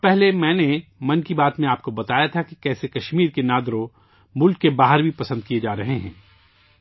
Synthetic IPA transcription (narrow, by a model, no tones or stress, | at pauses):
pɛɦlemɛ̃ːnemɐnkibaːt̪mẽaːp̚kobɐt̪aːjat̪ʰakikɛːsekɐʃmiːɾkenaːd̪ɾõ | mʊlkːebaːɦəɾbʱipɐsə̃nd̪̚kied͡ʒaːɾɐɦeɦɛ̰̃ː